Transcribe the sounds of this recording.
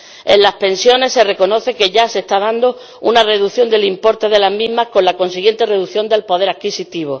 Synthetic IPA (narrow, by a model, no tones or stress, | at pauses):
enlahpẽ̞nsjo̞ne̞sːe̞re̞ko̞no̞θe̞ke̞ʝase̞st̪aðand̪o | ṵnare̞ðuθjo̞nd̪e̞limpo̞ɾt̪e̞ðe̞laɦmĩɦmahko̞nlako̞nsiɣje̞nt̪e̞re̞ðuθjo̞nd̪e̞lpo̞ð̞e̞ɾakkisit̪iβ̞o